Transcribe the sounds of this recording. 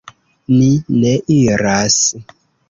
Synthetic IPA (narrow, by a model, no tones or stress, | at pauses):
ninɛʔiɾas